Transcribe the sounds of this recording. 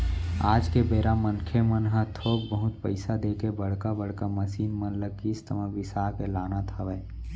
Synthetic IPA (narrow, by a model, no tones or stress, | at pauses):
aːd͡ʒkebeːɾamənkʰemənɦə̃t̪ʰoːkbəɦʊt̪pəɪsad̪eːkebəɽ̤kabəɽkaməsiːnmənləɡist̪əmaʋɪsaːkelaːnat̪ʰaʋɛː